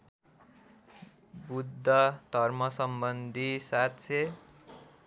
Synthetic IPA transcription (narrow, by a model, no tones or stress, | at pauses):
bud̪ʱːʌt̪ʌrmʌsʌmbʌnd̪ʱisat̪t͡sʰe